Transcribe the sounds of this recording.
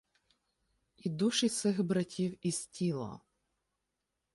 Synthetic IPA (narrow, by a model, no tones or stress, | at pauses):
id̪uʃisɪxbɾɐtʲiwisʲtʲilˠɐ̰